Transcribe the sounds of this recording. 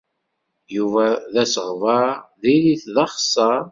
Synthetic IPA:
juvæðæsəʁvəɾðiliθðɑχsːəɾˤ

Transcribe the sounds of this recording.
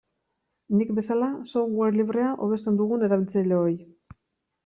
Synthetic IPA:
nikbe̞salasoŋɡweɾliβ̞ɾre̞aʔo̞β̞e̞st̪e̞nd̪uɣ̞une̞ɾaβilt͡saileoj

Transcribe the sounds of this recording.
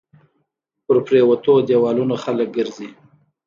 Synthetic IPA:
pəɾpɾewat̪od̪ewɑlunoxalək̚ɡəɾzi

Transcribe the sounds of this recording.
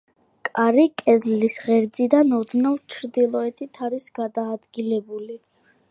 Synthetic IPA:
kʼaɾikʼɛzlisʁɛɾd̪zid̪anɔd̪znɔvt͡ʃʰɾd̪ilˠɔɛt̪ʰit̪ʰaɾisɡad̪aːd̪ɡilɛbuli

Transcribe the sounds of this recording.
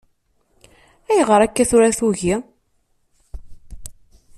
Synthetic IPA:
æjʁəɾˤækːæθʊɾæθuʝi

